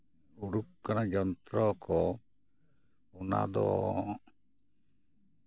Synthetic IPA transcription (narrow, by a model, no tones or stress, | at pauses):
uɽuk̚kanad͡ʒɔnt̪ɾɔkɔ | una̰d̪ɔ̰